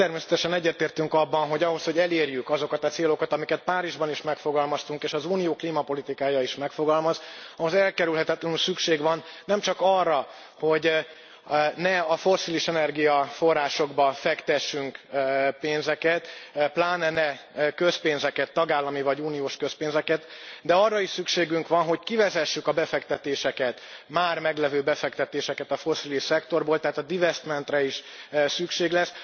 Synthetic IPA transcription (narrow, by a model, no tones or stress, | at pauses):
t̪ɛrmeːsɛ̥t̪ɛʃɛnɛɟːɛrt̪eːrt̪yŋkɒbːɒnɦo̞ɟɒɦo̞sho̞ɟɛleːrjykɒzo̞kɒt̪ɒt̪seːlo̞kɒt̪ɒmikɛt̪̚paːɾiʒbɒniʃmɛkfo̞ɡɒlmɒst̪uŋkeːʃɒzuːnijoːkliːmɒpo̞lit̪ikaːjɒiʃmɛkfo̞ɡɒlmɒzɒɦozɛlkɛɾylɦɛt̪ɛt̪lɛnysykʃeːɡʋɒnːɛmt͡ʃɒkɒrːɒ | ho̞ɟ | nɛɒfo̞sːiliʃɛnɛrɡijɒfo̞rːaːʃo̞ɡbɒfɛkt̪ɛʃːyŋkpeːnzɛkɛt̪plaːnɛnɛ | kø̞speːnzɛkɛt̪ːɒɡaːlːɒmivɒɟuːnioːʃkø̞speːnzɛkɛt̪d̪ɛɒrːɒiʃsykʃeːɡyŋkʋɒnɦo̞ckivɛzɛʃːykɒbɛfɛkt̪ɛt̪eːʃɛkɛt̪maːrmɛɡlɛvøːbɛfɛkt̪ɛt̪eːʃɛkɛt̪ɒfo̞siliʃsɛkt̪o̞rboːlt̪ɛɦaːt̪ɒd̪ivɛst̪mɛnt̪rɛiʃ | sykʃeːɡlɛs